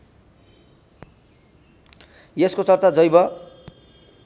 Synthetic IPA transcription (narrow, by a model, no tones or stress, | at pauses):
jeskot͡sʌrt͡sad͡zʌjbʌ